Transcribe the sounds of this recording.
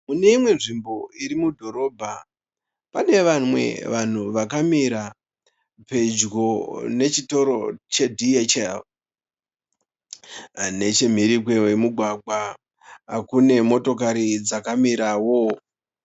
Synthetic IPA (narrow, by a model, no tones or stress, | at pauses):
mune̞imwe̞nʐimbo̞iɾimudʱo̞ɾo̞ːbʱa | pane̞ʋamwe̞̰ʋan̤uʋakamiɾa | pe̞d͡ʒɡo̞ne̞t͡ʃito̞ɾo̞t͡ʃe̞dʱiet͡ʃel | ne̞t͡ʃem̤iɾikwewe̞muɡʱwaɡʱa | kune̞mo̞to̞kaɾid͡zakamiɾawo̞